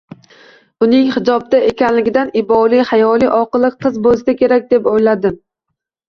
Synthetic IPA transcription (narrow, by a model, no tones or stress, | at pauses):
ʊnɪŋhɪd͡ʒɒb̚d̪aekʲanlɪɡʲɪd̪anɪbɒlˠihajɒlˠiʔɒqɨlˠɨq̚qʰɨzbolˠsakʲʰe̞ɾak̚ʲd̪epojlad̪ɪm